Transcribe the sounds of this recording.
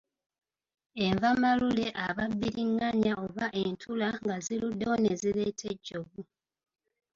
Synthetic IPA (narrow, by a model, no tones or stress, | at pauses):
e̞ɱvamalule̞ʔaβabːiɾiŋːaɲaʔo̞βaʔe̞ntʰulaŋɡaziludːaone̞zile̞tʰeɟːo̞βu